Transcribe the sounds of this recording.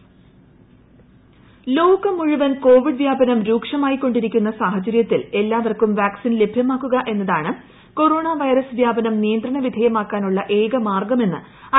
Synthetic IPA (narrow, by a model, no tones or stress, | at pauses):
loːkːɐmuɻuʋɐnko̞ːʋiɖʋjaːbɐnɐmɾuːkʂɐmaːjikːo̞ɳɖiɾikʲːunːɐsaːhɐt͡ɕɐɾjɐt̪ːile̞lːaːʋɐrkumʋaːksinle̞bʱjɐmaːkːuɣɐʔe̞nːɐðaːɳɨ | ko̞ɾo̞ːɳaʋɐjɾɐsʋjaːbɐnɐmnijɐnd̪rɐɳɐʋid̪ʱɐjɐmaːkːaːnuɭːɐʔe̞ːɡɐmaːrɡɐme̞nːɨ̰ | ɐ